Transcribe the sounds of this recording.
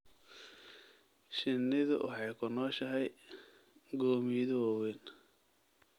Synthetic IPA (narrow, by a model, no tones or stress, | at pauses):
ʃɪnːɪðʊ̰ʔɑ̰ħɑjkʰʊnɔːʃɐɦɛj | ɡɔːmiðʊwɔwɛn